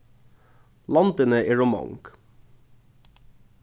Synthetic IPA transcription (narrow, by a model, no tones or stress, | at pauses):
lɑnd̪ənəʔeːɹʊmɑ̰ŋɡ̥